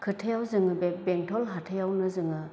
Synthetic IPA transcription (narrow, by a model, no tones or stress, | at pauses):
kʰɯtʰejawzɯŋɯbbeŋtʰɔlɦatʰejawnɯzɯŋɯ